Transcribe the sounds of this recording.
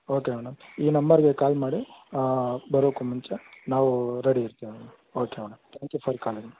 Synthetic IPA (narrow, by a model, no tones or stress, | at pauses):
oːkemɐɳɐmiːnɐmbɐɾɡekaːlmaːɽi | bɐɾoːkumuɲt͡ʃɐnaːʋuɾeɽiiɾt̪iːʋiɐɳɐ | oːkemɐɳɐmt̪ʰaːŋkjupʰɐɾkaːlɾ